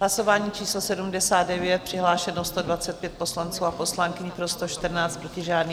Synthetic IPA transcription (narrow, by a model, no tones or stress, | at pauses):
ɦlaso̞vaːɲiːt͡ʃiːslosɛdumdɛsaːd̪̚dɛvjɛt̪̚pr̝̥ɪɦlaːʃɛnost̪o̞dvat͡sɛt̪̚pjɛt̪̚po̞slant͡suːapo̞slaŋkɪɲɪpɾo̞st̪oʃt̪r̩naːt͡st̪pɾo̞cɪʒaːdniː